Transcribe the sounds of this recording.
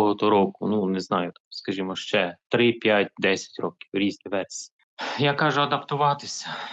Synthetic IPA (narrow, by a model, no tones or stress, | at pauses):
ɦɔt̪ɔɾɔkʊnunɛznɑjʊt̪ɑ̥mskɐʒʲimɔʃt͡ʃɛt̪ɾɪpʲjatʲd̪ɛsʲɐ̥tʲɾɔkʲi̥wɾʲizʲt̪ʲɪʋɛrsʲ | jakɑʒʊɐd̪ɐpt̪ʊʋɑt̪ɪsʲɐ̥